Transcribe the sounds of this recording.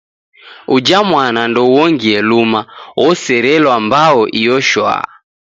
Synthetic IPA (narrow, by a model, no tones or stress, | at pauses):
ud͡ʒamwanandɔwɔŋɡiɛlumawʔɔsɛɾɛlwambaɔʔijɔʃwa̰